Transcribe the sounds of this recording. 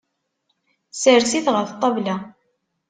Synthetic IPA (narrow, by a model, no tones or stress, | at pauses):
səɾsiθʁəɾθt̪ˤːɑvla